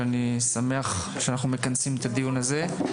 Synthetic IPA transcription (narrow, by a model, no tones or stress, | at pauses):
anisame̞aχ | ʃeanaχnume̞kansimet̪ad̪ijunaze̞